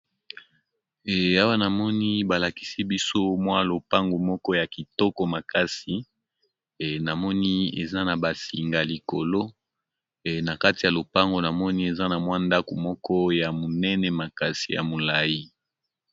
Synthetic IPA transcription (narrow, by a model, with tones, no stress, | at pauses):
ɛ˨a˦wa˦na˨mɔ˦ni˦ba˨la˨ki̥˨si˦bi˦so˦mwa˦lo˨pa˦ŋɡo˨mɔ˦kɔ˦ja˨ki˨tɔ˦kɔ˨ma˨ka˦si˨ | na˨mɔ˦ni˦ḛ˨za˦na˨ba˨si˨ŋɡa˨li˨ko˨lo˦˨ | na˨ka˦ti˨ja˨lo˨pa˦ŋɡo˨na˨mɔ˦ni˦e˨za˦na˨mwa˦nda˦ko˨mɔ˦kɔ˦ja˨mo˨nɛ˦nɛ˨ma˨ka˦si˨ja̰˨mo˨la˨ji˦